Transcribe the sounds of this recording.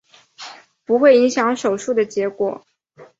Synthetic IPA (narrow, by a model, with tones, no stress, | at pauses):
pu˧˥xwe˥˩ɪi˧˥ŋɕjɑ˧˥ŋʂo˨˩ʊʂu˥˩d̪ə˩t͡ɕjɛ˧˥kwɔ˨˩˦